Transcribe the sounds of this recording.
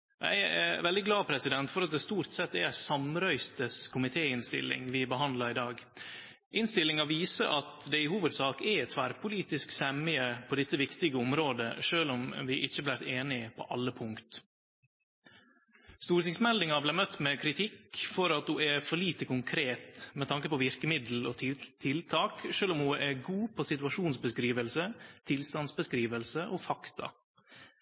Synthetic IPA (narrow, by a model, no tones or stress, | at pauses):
æ̰ɪɛ̰ʋɛld̪ɪɡlɑːpʰɾɛsɪd̪ɛnt̪fɔɾɑt̪̚d̪ɛst̪uːɾt̪sɛt̪ːɛsɑmɾœʏst̪əskʰʊmɪt̪ʰeːɪnst̪ɪ̰lːɪ̰ŋʋɪbəɦɑnd̪lɑɾɪd̪ɑːɡ | ʔɪnst̪ɪlːɪŋɑʋiːsə̰ʔɑt̪d̪ɛɪhuːʋəd̪sɑːkɛɛt̪ʰʋæɾpʰʊliːt̪ɪsksɛmɪəpʰɔd̪ɛt̪ːəʋɪkt̪ɪɡəʊmɾoːd̪əʂøːlɔmʋɪʔɪçːəɑblæɾt̪eːnɪpʰɔ̰ʔɑlːəpʰʊŋkt̪ | st̪uːɾt̪ɪŋsmɛld̪ɪŋɑblæɪmœt̪ːmɛkʰɾɪt̪ʰɪkfɔɾɑt̪hʊɛfɔɭiːt̪əkʊŋkʰɾeːt̪mɛt̪ʰɑŋkəpɔʋɪɾkəmɪd̪l̩ot̪ʰɪlt̪ʰɑːkʃøːlɔmhʊʔɛɡuːpʰɔsɪt̪ʉɑʃuːnsbəskɾiːʋəlsət̪ʰɪlst̪ɑnsbəskɾiːʋəlsəʔofɑkt̪ɑ̰